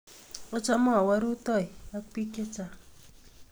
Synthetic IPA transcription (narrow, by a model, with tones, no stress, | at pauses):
ɔ˦t͡ʃamɔ˦a˨waɾu˦t̪ɔ˦jak̚pi˦ke˦t͡sa